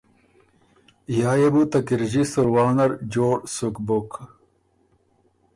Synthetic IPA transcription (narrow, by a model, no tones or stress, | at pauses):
jaːjebut̪ɐkiɾʑisuɾwaːnɐɾd͡ʑoːʈsukbok